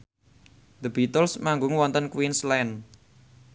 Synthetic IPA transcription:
d̪əbit̪əlsmaŋɡʊŋwɔnt̪ənkwinslɛn

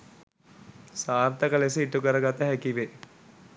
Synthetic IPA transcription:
saːrt̪əkəlesəiʈukəɾəɡat̪əɦækiʋe

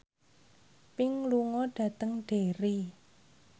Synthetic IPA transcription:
pɪŋluŋɔɖ̥ä̤t̪əŋɖ̥eɾi

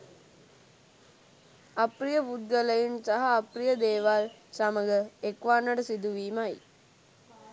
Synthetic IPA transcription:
ɐprijəpud̪̚ɡəlɐjinsaɦaːprijəd̪eːʋaːl | saməɡəekʋaːnːɐɖəsid̪uʋiːmaj

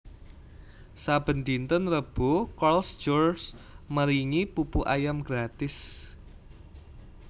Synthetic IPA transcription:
sab̥ə̤nd̪int̪ɔnrəb̥ukɔlsd͡ʒɔrsməɾiŋipupuʔajamɡ̥ɾat̪ɪs

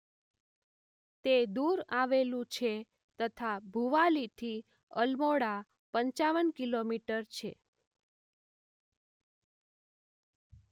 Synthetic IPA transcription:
t̪ed̪uɾaʋelũt͡ʃʰe | t̪ət̪ʰabʱuʋalit̪ʰi | ə̰lmoɽa | pəɲt͡ʃaʋənkilomiʈəɾt͡ʃʰe

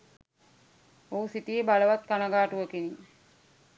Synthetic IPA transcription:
ousit̪ijebaləʋat̪̚kanəɡaːʈuʋəkini

